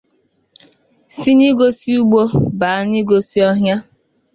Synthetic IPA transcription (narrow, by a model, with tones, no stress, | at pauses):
si˦ni˦ɡo˦si˦u˦ɡ͡bo˦ba˨˦ni˦ɡo˨si˦ɔ˦ɦja˦